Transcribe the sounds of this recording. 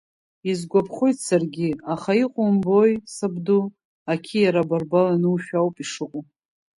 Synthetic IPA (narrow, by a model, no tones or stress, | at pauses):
izɡʷapʰχojtʰsarɡʲɪaχaiqʷʼʊmbojsabdu | akʲʰijaɾabarbalanɨwʃᶣawpʼiʂɨqʷʼʊ